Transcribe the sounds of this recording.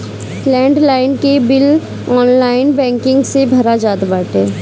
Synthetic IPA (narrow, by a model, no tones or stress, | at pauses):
lɛ̃ːɳɖlaːɪnkebɪl | ɔːnlaːɪnbɛ̃ːŋkɪ̃ŋɡsebʱɐɾad͡ʒaːt̪baːʈeː